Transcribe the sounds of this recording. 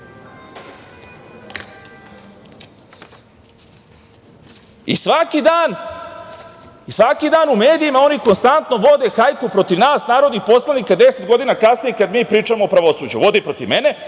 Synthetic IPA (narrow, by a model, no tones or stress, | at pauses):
ḭsʋakid̪aːn | isʋakid̪aːnume̞ːd̪iimao̞niko̞nst̪ant̪noʋo̞d̪e̞xajkupɾo̞t̪iʋnaːsnaːɾo̞d̪nipo̞slˠanikad̪e̞set̪ɡo̞d̪inakasnijekad̪miːpɾiːt͡ʃamoːpɾaʋo̞suːd͡ʑuʋo̞d̪ipɾo̞t̪iʋmene